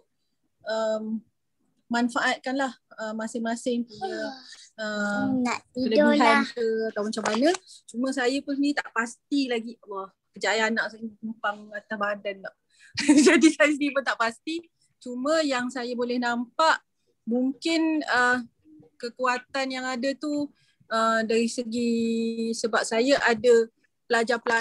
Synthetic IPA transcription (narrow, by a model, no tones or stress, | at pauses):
ʔəm | manfaʔat̪̚kanlahəmːasɪŋmasɪŋpiəəmaiələbsaamkəat̪awmat͡ʃamanət͡ʃumə̃s̬ajəpʊnsənit̪aʔpast̪ilaɡiwɔ | kəd͡ʒajanːaʔsənəmpaŋat̪abaɦant̪andɔʔ | d͡ʒadisajəs̬əniipʊnt̪aʔpast̪i | t͡ʃumə̃jaŋsajabolɛhnampaʔ | muŋkɪnə | kəkuat̪anjaŋadat̪u | ədaɾisəɡisəbap̚sajaʔada | pəlad͡ʒapəla